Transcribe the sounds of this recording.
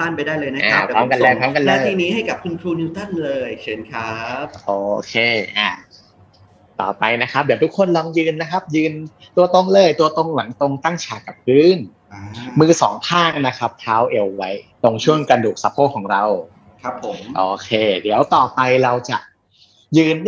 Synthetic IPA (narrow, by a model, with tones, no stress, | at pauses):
aː˥˩npa˧jdaː˥˩jlɤː˧jna˥ʔaː˧˦˩kɾɔː˦˥mka˧nlɛː˥˩kʰɔː˦˥mka˧nllaɤː˥˧t̪ʰiː˧niː˦˥ha˥˩jka˨˩p̚kʰu˧nkʰɾuː˧ni˧˦˥wt̪a˥˩nlɤː˧jt͡ɕʰɯ˩˦nkʰɾa˦˥p̚ʔoː˧˩kʰeː˧ʔaː˧˩ | t̪ɔ̰ː˨˩pa˧jna˦˥kʰa˦˥p̚diː˨˩˦wt̪ʰu˦˥kʰːo˧nlɔː˧ŋjɯː˧nːa˦˥kʰa˦˥p̚jɯː˧n | t̪u˧ɐt̪o˧ŋlɤː˧˥˩jt̪u˧ɐt̪o˧ŋla˩˦ŋt̪o˧ŋt̪a˥˩ŋt͡ɕʰaː˨˩ka˨˩p̚ːɯː˧˥˩n | mɯː˧sɔː˩˦ŋt̪ʰaː˥˩ŋna˦˥kʰa˦˥p̚t̪ʰaː˦˥wʔe˧wːa˦˥jt̪o˧ŋt͡ɕʰu˥˩ənkɾa˧duː˨˩k̚sa˧˥pʰoː˥˩kʰːɔː˩˦ŋɾa˧w | kʰɾa˦˥pʰo˨˩˦mʔoː˨˩kʰeː˧di˩˦wt̪ɔː˨˩pa˧jɾa˧wt͡ɕa̰˨˩ʔ | jɯː˧n